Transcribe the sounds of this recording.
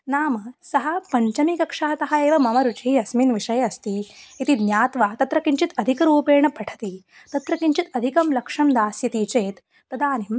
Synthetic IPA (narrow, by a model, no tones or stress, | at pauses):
naːmɐsɐɦɐ̆pɐɲt͡ʃɐmikɐkʂɐɦɐt̪ɐɦɐeːʋɐmɐmɐɾut͡ʃiɦiɐsminʋiʂɐjɐɐst̪iit̪id̪njaːt̪ʋaːt̪ɐt̪ɾɐkiɲt͡ʃit̪ɐd̪ʱikɐɾuːpeːɳɐpɐʈʰɐ̥t̪i | t̪ɐt̪ɾɐkiɲt͡ʃit̪ɐd̪ʱikɐmlɐkʂɐmd̪aːsjɐt̪it͡ʃeːt̪ː | ɐd̪aːnim